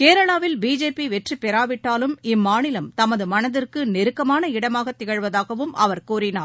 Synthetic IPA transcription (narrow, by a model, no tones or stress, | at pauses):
keːɾɐɭaːʋɪlbiːd͡ʒeːpiʋɛʈripːɛɾaːʋɪʈːaːlɯmɪmːaːnɪlɐmt̪ɐmɐðɯmɐnɐðɪrkɯnɪɾɯkːɐmaːnɐɪɽɐmaːɣɐt̪ːɪɣɐɻʋɐðaːɣɐʋɯmɐ̰ʋɐɾkuːrɪnaː